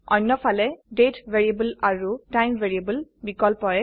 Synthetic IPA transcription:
ɔ̰jnːɔpʰalɛɖetʋeɹiebəlaɹutajmʋʱeɹiebəlbikɔlpɔɹɛ

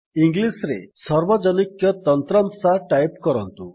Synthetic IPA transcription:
iŋɡlisɾḛsɔɾbɔd͡ʒɔnikjɔt̪ɔnt̪ɾɔmsaʈajpkɔɾɔnt̪u

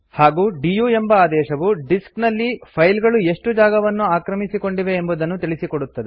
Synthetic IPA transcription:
haːɡuːɖijuːembɐaːd̪ɛːʃɐʋuɖisknɐlːipʰɐjlɡɐɭue̞ʂʈud͡ʒaːɡɐʋɐnːuaːkɾɐmisiko̞ɳɖiʋe̞ːmbud̪ɐnːut̪iɭisiko̞ɽut̪ːɐd̪e

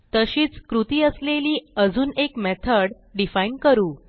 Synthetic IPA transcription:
t̪əɕiːt͡skɾut̪iːəsleliːəd͡zuːnekmɛt̪ʰəɽ | ɖifainkəɾuː

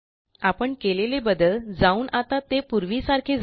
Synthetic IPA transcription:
apəɳkelelebəd̪əld͡zauːnʔat̪at̪epuɾʋisaɾkʰed͡z

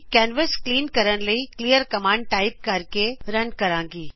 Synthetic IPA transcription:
kɛːnʋəskliːnkɐɾənlɐikliːjəɾkɐmãːɳɖ̚ʈaːɪp̚kɐɾkeɾɐnkɐɾãːŋɡiː

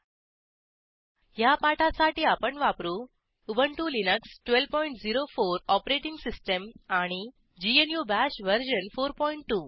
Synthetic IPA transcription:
japaʈasaʈiːapəɳʋapɾuː | ubəɳʈuːlinəksʈʋelʋpɔiɳʈd͡ziɾofoɾɔpɾeʈiŋɡsisʈəmaɽ̃i | d͡ʑienjubæɕʋəɾɕənfoɾpɔiɳʈːuː

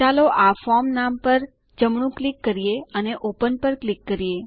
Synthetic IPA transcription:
aloʔafɔmnampəɾ | d͡ʒəmɳ̃ũklikːəɾijeəneʔopənpəɾklikːəɾije

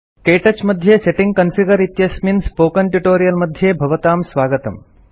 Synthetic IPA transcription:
keːʈɐt͡ʃmɐd̪ʱjeːseʈiŋɡ̚kɐnfʰiɡɐɾit̪jɐsminspoːkɐnʈuʈoːɾijɐlmɐd̪ʱjeːbʱɐʋɐt̪aːmsʋaːɡɐt̪ɐ̰m

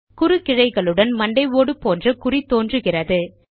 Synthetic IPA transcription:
kʊɾɯkɪɻɐɪɣɐɭɯɽɐnmɐɳɖɐɪʋoːɽɯpːoːndrɐkʊrit̪ːoːndrɯɣɪrɐðɯ

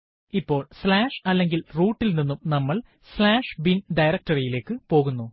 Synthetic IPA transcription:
ipːo̞ːɭslaːʂɐlːe̞ŋɡilruːʈːilninːumnɐmːɐɭ | slaːʂbinɖɐjɾɐk̚tɐrijile̞ːkːɨpo̞ːɣunːu

